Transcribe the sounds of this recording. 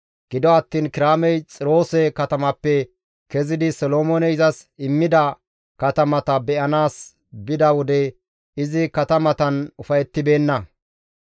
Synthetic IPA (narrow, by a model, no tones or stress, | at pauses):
ɡ̥ɪd̪ɔɐt̪ːiːnkɪɾaːmɛjt͡sʼɪɾo̞ːsɛkɐt̪ɐmɐpːɛ | kɛzɪd̪ɪsɔloːmonɛɪzɐsɪmːɪd̪ɐ | kɐt̪ɐmɐt̪ɐbɛʔɐnaːs | bɪd̪ɐwɔd̪ɛ | ɪzɪkɐt̪ɐmɐt̪ɐnʊfɐjɛt̪ːɪbe̞ːnːɐ